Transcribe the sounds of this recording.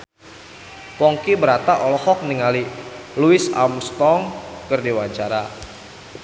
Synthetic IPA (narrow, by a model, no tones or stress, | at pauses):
pɔŋkibəɾat̪aʔɔlɔhɔk̚niŋaliluisa̰mst̪ɔŋkɨrdiwaɲt͡ʃaɾa